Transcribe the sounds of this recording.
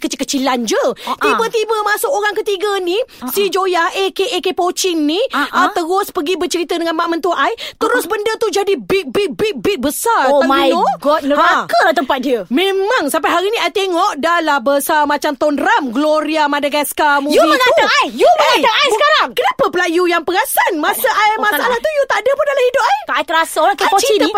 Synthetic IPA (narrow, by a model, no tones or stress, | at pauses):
kət͡ʃkət͡ʃiland͡ʒət̪ibət̪ibəmasʊkoɾaŋkət̪iɡənisid͡ʒojahʔekeekepot͡ʃɪŋniət̪əɾʊspəɡibət͡ʃəɾit̪ədəŋanmaʔmə̃nt̪uʔajt̪əɾʊsbəndət̪ud͡ʒadibɪk̚bik̚bɪk̚bɪk̚bəsarot̪amaoɡɔt̪̚nəakəlat̪əmpat̪̚diəmẽmãŋsampajɦaɾinĩajt̪eŋɔʔdalahbəsamat͡ʃamt̪ɔndɾamɡloɾiamadaɡaskamujuiŋauajjumaat̪əajsəkaɾaŋkənapəpəlajujaŋpəɡasanmasəʔajmasaʔalaht̪ujut̪aadəpʊndalahidʊp̚ajkaajt̪əɾasəakeot͡ʃi